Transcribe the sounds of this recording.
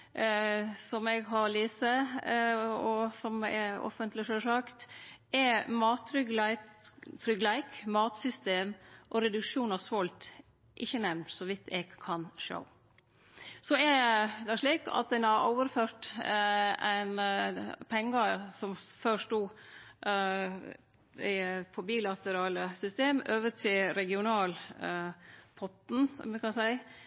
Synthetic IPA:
sɔmɛɡɦɑɾɭiːsə | ɔsɔmɛ̰ɔ̰fənt̪lɪʃøːʂɑkt̪ʔɛmɑːt̪ʰːɾʏɡ̪æɪt̪ʰɾʏɡlæɪkmɑːt̪sʏst̪eːmʔɔɾɛd̪ʉkʂuːnɑʋsʋɔlt̪ | ʔɪçːənɛʋnt̪sɔʋɪt̪ʰɛɡkʰɑnʂo̰ʊ | sɔɛd̪ɛæʂɭiːkɑ̰t̪̚d̪ɛnɑɾʔo̰ʊʋəɾføːɾʈ | æ̰ɪn | pʰɛŋːɑsɔmføʂtuː | fʰɔbiːlɑt̪əɾɑːləsʏst̪eːmøːʋət̪ʰɪlɾɛɡɪʊnɑːl | pʰɔt̪n̩̰mɛkɑnsæɪ

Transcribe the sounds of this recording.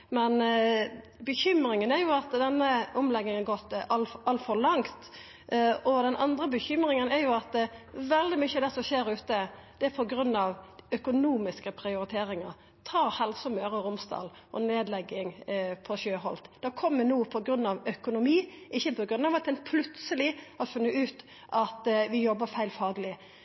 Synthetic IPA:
mɛn | bəçʏmɾɪŋənɛɾjʊɑt̪d̪ɛnːəɔmlɛɡnɪŋəɡɔt̪ːɑlɑlt̪fɔɾlɑŋt̪ | ʔɔd̪ɛnʔɑnd̪ɾəbəçʏmɾɪŋənɛɾjʊɑt̪̚ʋɛld̪ɪmʏçːəd̪ɛsɔʃeːɾʉːt̪əd̪̥ɛpʰɔɡɾʉnːɑʋœkʊnuːmɪskəpʰɾɪʊɾɪt̪ʰeːɾɪŋəɾ | t̪ʰɑːɾhɛlsɔmøːɾəɾʊmst̪ɑ̰ːl | ʔɔ̰neːd̪lɛɡɪŋpʰɔɕøːɦɔlt̪d̪̥ɛkʰɔmːənuːpʰɔɡɾʉnːɑʋœkʊnʊmiːʔɪçːəpʰɔɡʁʉnːɑʋɑt̪ːɛnpʰlʉt̪səlɪɑt̪fʉnːəʉːt̪ | ʔɑt̪ʋɪjɔbːəfæɪlfɑːɡlɪ

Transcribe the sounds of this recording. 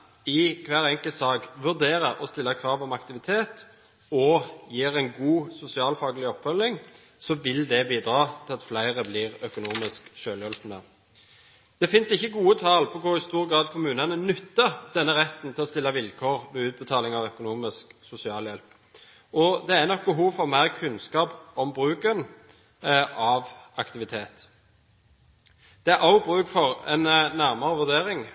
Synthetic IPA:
ɪkʰʋæːʁɛŋkəlt̪sɑːɡʋʉʁd̪eːɾəɾɔst̪ɪlːɑkʰʁɑːʋɔmɑkt̪ɪʋɪt̪ʰeːt̪ | ɔjiːʁæɪnɡuːsʊsɪɑːlfɑːɡəlɪɔpːfœlːɪŋ | sɔʋɪld̪ɛbiːd̪ɾɑːt̪ʰɪlɑt̪flæɪʁəbliːʁœkʊnuːmɪskʃøːljœlfnə | d̪̥ɛfɪnsɪçːəɡuːət̪ʰɑlpʰɔkʊʁɪst̪uːɾɡɾɑːd̪kʰʊmʉːnɑnənʉt̪ːəd̪̥ɛnːəʁɛt̪ːnt̪ʰɪlɔst̪ɪlːɑʋɪlkʰoːʁʋɛʉːt̪̚bət̪ʰɑːlɪŋɑʋœkʊnuːmɪsksʊsɪɑːljɛlp | ʔɔd̪ɛænɔk̚bəɦuːʋfɔʁmæɪʁkʰʉnskɑːpɔmbʁʉːkən | ɑʋʔɑkt̪ɪʋɪt̪ʰeːt̪ | d̪̥ɛæʔɑʊbʁʉːkfɔʁɛ̰nnæʁmɑɾəʋʉʁd̪eːʁɪŋ

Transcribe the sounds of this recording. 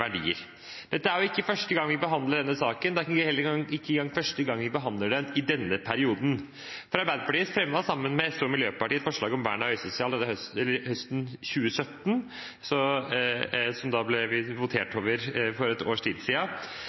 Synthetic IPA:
ʋæɖḭːə̰ɾ | d̪̥ɛt̪ːəæɾjʊɪkːəfœʂʈəɡɑŋʋɪbəɦɑnd̪əɖɛnːəsɑːkənd̪ɛækɑɪhɛlːəɾɪkːəɡɑŋːfœʂʈəɡɑŋːʋɪbəɦɑnd̪əɖɛnɪd̪ɛnːəpʰæɾɪuːd̪n̩ | fɔɾɑɾbæɪd̪əpɑʈiːəsfɾɛmʋɑsɑmːənmɛɛst̪uːɾmɪljøːpɑʈiːɛt̪fɔʂɭɑːɡɔmʋæ̰ːɳɑœʏsɔsɪɑlɛæhɛlːəɾhœst̪n̩çʉːəsœt̪ːn | sɔ | sɔmd̪ɑblɛʋɪʋʊt̪ʰeːʈʰoːʋəɾfɔɾɛt̪o̰ːʂʈʰiːd̪siːɑ

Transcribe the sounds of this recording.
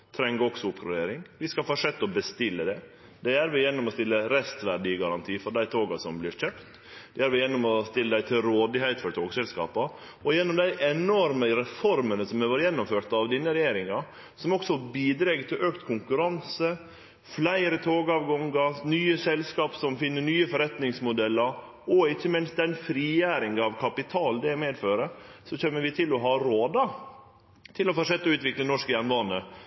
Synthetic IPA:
t̪ʰɾɛŋːəɔksɔʊpkʰɾʊɾeːɾɪŋʋɪskɑfɑːʂɛt̪ːɔbəst̪ɪlːəd̪ɛ | d̪ɛæɾʋɪjɛnːɔmɔst̪ɪlːəɾɛst̪ʋæɖɪəɡɑɾɑnt̪ʰiːfɔɖ̪æɪt̪ʰoːɡɑsɔmblɪɾçøpt̪d̪̥ɛæːɾʋɪjɛnːʊmɔst̪ɪlːəd̪æɪt̪ʰɪlɾoːd̪ɪhɛɪt̪fɔɾʈ̪ʰoːɡsɛlskɑ̰ːpɑ | ɔjɛnːɔmd̪æɪʔɛnɔɾməɾɛfɔɾmənəsɔmɛʋɑːɾjɛnːʊmføːt̪ɑʋd̪inːəɾɛjeːɾɪŋɑ | sɔmɔksɔbiːd̪ɾeɡt̪ʰɪlʔøːkt̪kʰʊŋkʉɾɑnsə | flæɪɾət̪ʰoːɡɑʋɡɔŋɡənyːəsɛlskɑːpsɔmfɪnːəɳyːəfɔɾɛt̪nɪŋsmʊd̪ɛlːəɾ | ɔɪçːəmɪns̚d̪ɛnfɾiːjæːɾɪŋɑʋkʰɑpɪt̪ʰɑːld̪ɛmeːd̪føːɾəsɔçɛmːəʋɪt̪ʰɪlɔɦɑːɾoːd̪ə | t̪ʰɪlɔfɔʂɛt̪ːəʉːt̪ʋɪklənɔʂkəjænʋɑnə

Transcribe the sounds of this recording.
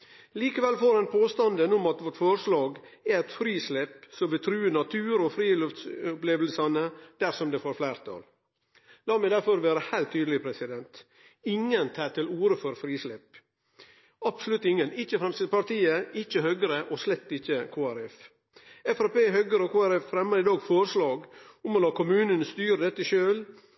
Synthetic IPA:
liːkəʋɛlfoːɾɛnpʰoːst̪ɑnd̪ənʊmɑt̪ʋɔʈfɔɾʂlɑːɡæɛt̪fɾiːslɛpsɔmʋɪt̪ʰɾʉːənɑt̪ʰʉːɾɔfɾiːlʉft̪sʊpleːʋlsɑnəd̪̥æɾsɔmd̪eːfoːɾflæɪɾt̪ʰɑ̰l | lɑːmɛɪd̪æɾfɔɾʋeːɾəhæɪlt̪ʰːyːd̪l̩ɪpʰɾɛsɪd̪ɛnt̪ | ɪŋənt̪ʰɑːt̪ɪluːɾəfɔɾfɾiːslɛp | ɑbsɔlʉt̪ːɪŋːənɪt͡ʃːəfɾɛmsɪt̪pɑɾt̪iːəɪt͡ʃːəhœːɡəɾəʔɔslɛt̪ːɪçːəkʰoːæɾɛf | ɛfɑɾpeːɦœɡəɾəɔkʰoːæɾɛffɾɛmːəɾɪd̪ɑːɡfɔɾslɑːɡʊmɔlɑːkʰʊmʉːnənst̪yːɾəd̪ɛt̪ːəʃøːl

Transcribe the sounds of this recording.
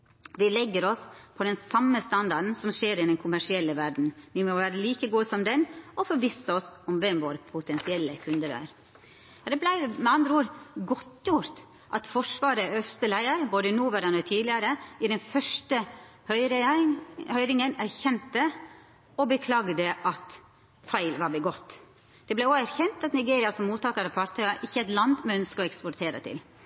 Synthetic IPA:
ʋɪlɛɡːəɾɔspʰɔd̪ɛnsɑmːəst̪ɑnd̪ɑɖn̩sɔmʂeːɾɪd̪ɛnkʰʊmæʂɪɛlːəʋæɖn̩ʋɪmɔʋæːɾəliːkəɡuːəsɔmd̪ɛnɔfɔɾʋisəɔsɔmʋɛmʋoːɾəpʰʊt̪ʰɛnsɪɛlːəkʰʉnd̪əɾœ̰ɾ | ɑd̪ɛblæɪmɛɑnd̪ɾəuːɾɡɔt̪ːjʊɾt̪ | ʔɑt̪fɔʂʋɑːɾəœst̪əlæɪəɾboːd̪ənuːʋɛɾənɔt̪ʰiːd̪lɪəɾəɪd̪ɛnfœʂʈəhœʏɾ | hœʏɾɪŋənæɾçɛnt̪ə | ɔbəkʰlɑːɡd̪əʔɑt̪ | fæɪlʋɑɾbɛɡɔt̪ː | d̪̥ɛblæoːæɾçɛnt̪ɑt̪nɪɡeːɾɪɑsɔmmuːt̪ɑːkəɾɑʋfɑɾt̪ʰœʏɑɾʔɪçːəɛt̪lɑnd̪mɛœnskəɔɛkspɔɾt̪ʰeːɾə̰t̪ʰɪ̰l

